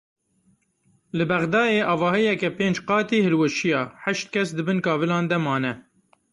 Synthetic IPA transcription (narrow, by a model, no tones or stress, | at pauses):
lɨbæɣd̪ɑːeːʔɑːvɑːhijɛkɛpeːnd͡ʒqɑːt̪iːhɨlwɨʃijɑːħæʃt̪̚kʰɛsd̪ɨbɨnkɑːvɨlɑːnd̪ɛmɑːnɛ